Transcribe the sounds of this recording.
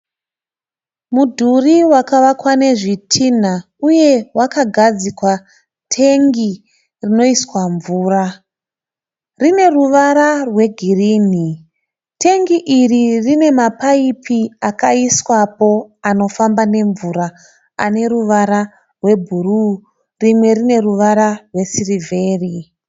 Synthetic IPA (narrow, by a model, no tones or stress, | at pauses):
mudʱuriwakaʋakwane̞ʐitʰin̤a | uje̞wakaɡʱad͡zikwa | tʰe̞ŋɡi | rino̞iswaɱvuːra | rine̞ruʋaɾarwe̞ɡʱiriːni | tʰe̞ŋɡiʔiririne̞mapaipʰiakaiswapo̞ano̞fambane̞ɱvuɾaː | ne̞ɾuʋaɾa | rwe̞bʱuruː | rimwe̞rine̞ruʋaɾarwe̞sirivʱe̞ːri